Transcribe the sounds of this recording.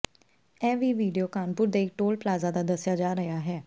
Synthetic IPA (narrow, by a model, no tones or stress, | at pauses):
ɛːʋiːʋiːɖioːkaːnpʊɾd̪eːɪk̚ʈoːlplaːzaːd̪aːd̪əsɪjaːd͡ʒaːɾəjaːɦɛː